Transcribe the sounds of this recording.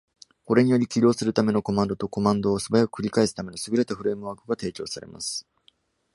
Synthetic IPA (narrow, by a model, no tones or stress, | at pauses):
ko̞ɾe̞ɲ̟ijo̞ɾʲikʲiɾʲo̞ːsɨɾɯ̟t̪ame̞no̞ko̞mãnd̪ot̪o̞ko̞mãnd̪o̞ːsɨbajakɯ̥kɯ̟ɾʲikaesɨ̥t̪ame̞no̞sɨɡɯɾe̞t̪aɸɯ̟ɾe̞ːmɯ̟βakɯ̟ɡat̪e̞ːt͡ɕo̞ːsaɾe̞̰ma̰sɨ̥